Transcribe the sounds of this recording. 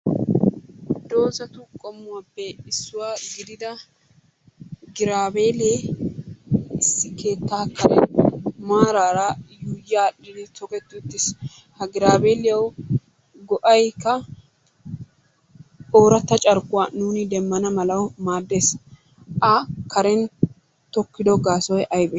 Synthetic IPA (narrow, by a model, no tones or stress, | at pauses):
d̪o̞ːzɐt̪ʊkʼɔmːʊwapːɛɪsːʊwaːɡɪd̪ɪd̪ɐ | ɡɪɾaːbeːleː | ɪsːɪke̞ːt̪ːaːkːɐɾɛmaːɾaːɾɐjuːjːaːɗɪd̪ɪt̪ɔkɛt̪ːʊːt̪ːɪs | hɐɡɪɾaːbeːlɪjɐw | ɡɔʔɐjkːɐ | ʔoːɾɐt̪ːɐt͡ʃʼɐɾkʊwaːnuːnɪd̪ɛmːɐnɐmɐlɐwmaːd̪ːeːs | ʔɐkɐɾɛn | t̪ɔkːɪd̪ɔɡaːsɔjʔɐjbɛ